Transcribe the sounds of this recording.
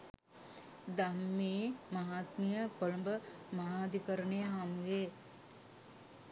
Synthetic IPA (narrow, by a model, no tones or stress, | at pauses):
d̪amːiːmaɦaːt̪mijəkolumbəmaɦaːd̪ikəɾənejəɦamʋe